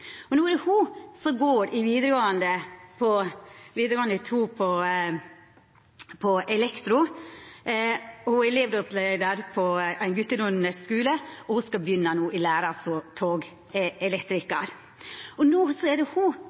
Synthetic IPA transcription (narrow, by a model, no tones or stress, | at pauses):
ɔnuːæɾɛhusɔɡoːɾɪʋiːd̪ɾəɡoːɑnd̪əpʰɔʋiːd̪ɾəɡoːɑnət̪ʰuːpʰɔ | pʰɔʔɛlɛkt̪ɾʊ | hʊæleːʋɾoslɛd̪ɑɾpʰɔæɪnɡʉt̪ːəɾʊnəskʉːləɔhʊskɑbjʏnːɑnuːʔɪlæːɾɑsɔt̪ʰoːɡ | ɛlɛkt̪ɾɪkɑɾ | ɔnuːsɔɛɖɛhʊ